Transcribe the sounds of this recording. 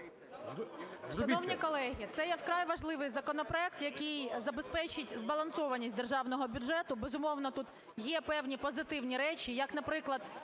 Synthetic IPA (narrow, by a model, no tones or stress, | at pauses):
ʃɐnɔwnʲikɔlˠɛɦʲit̪sɛjɛfkɾɑjʋɐʒlˠɪʋɪjzɐkɔnɔpɾɔɛk̚t̪jɐkʲɪjzɐbespɛt͡ʃɪtʲzbɐlˠɐnsɔʋɐnʲisʲt̚ʲd̪erʒɑwnɔɦɔbʲʊdʒɛt̪ʊbezʊmɔwnɔt̪ut̪ | jɛpɛwnʲipɔzɪt̪ɪwnʲiɾɛt͡ʃʲijɐknɐpɾɪklˠɐd̪